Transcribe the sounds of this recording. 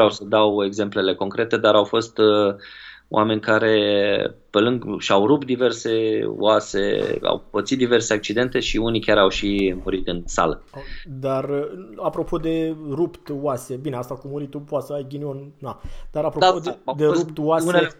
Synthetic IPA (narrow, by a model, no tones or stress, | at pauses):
vɾeawsəd̪awe̞ɡze̞mple̞le̞ko̞ŋkɾe̞t̪e̞d̪aɾawfo̞st̪ | o̰ʔame̞nʲkaɾe̞pe̞lɨŋɡʃawɾup̚t̪̚d̪ive̞rse̞o̰ase̞̰a̰wbət̪sit̪d̪ive̞rse̞ak̚t͡ʃid̪e̞nt̪e̞ʃiunikʲaɾawʃimuɾit̪ɨnsa̰ləd̪arapɾo̞pʰo̞d̪e̞rupt̪wase̞bineast̪akumuɾit̪upoat̪səajɡʲinionːad̪aɾapɾoaowd̪ept̪waunee